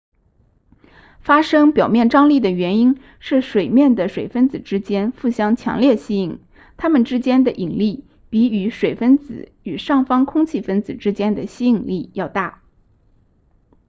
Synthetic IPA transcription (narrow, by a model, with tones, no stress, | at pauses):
fa˥ʂɤ˥ŋpjɑ˨˩ʊmjɛ˥˩nʈ͡ʂɑ˥ŋli˥˩d̪ə˩ɥɛ˧˥ni˥n | ʂɻ̩˥˩ʂwe˨˩ɪmjɛ˥˩nd̪ə˩ʂwe˨˩ɪfə˥nt͡sɹ̩˨˩ʈ͡ʂɻ̩˥t͡ɕjɛ˥nfu˥˩ɕjɑ˥ŋt͡ɕʰjɑ̰˧˥ŋljɛ˥˩ɕi˥i˨˩˦ŋ | t̪ʰa˥mə˨nʈ͡ʂɻ̩˥t͡ɕjɛ˥nd̪ə˨ʔi˨˩ŋli˥˩ | pi˧˥y˧˥ʂwe˨˩ɪfə˥nt͡sɹ̩̰˨˧˩ | y˨˩ʂɑ˥˩ŋfɑ˥ŋkʰʊ˥ŋt͡ɕʰi˥˩fə˥nd͡zɹ̩˨˩ʈ͡ʂɻ̩˥t͡ɕjɛ˥nd̪ə˨ɕi˥i˨˩ŋli˥˧jɑ˥˧ʊt̪a˥˩